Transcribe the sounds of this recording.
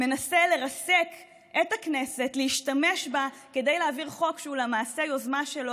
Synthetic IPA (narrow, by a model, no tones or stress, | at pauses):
me̞nasele̞ʁasek | etakne̞se̞tleiʃtame̞ʃba | ke̞d̪ejleaviʁχo̞kʃeulemaːsejo̞zmaʃelo